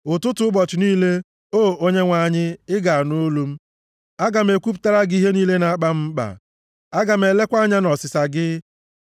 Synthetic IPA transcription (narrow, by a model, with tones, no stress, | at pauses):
ʊ˨tʊ˦tʊ˦ʊ˦bɔ˨t͡ʃɪ˨niː˦le˦ | oː˦˨o˦ɲe˦ŋʷa˨ɲɪ˦ɪ˦ɡa˨a˨no˦lu˦m̩˦ | a˦ɡa˨m̩˦e˨kʷu˦p̬u̥˨˦ta˦ɾa˦ɡi˦ɦe˦niː˦le˦na˨˦k͡pa˦m̩˦k͡pa̰˨ | a˦ɡa˨m̩˦e˨le˦kʷa˦ɲa˦nɔ˨sɪ˨sa˨ɡɪ˦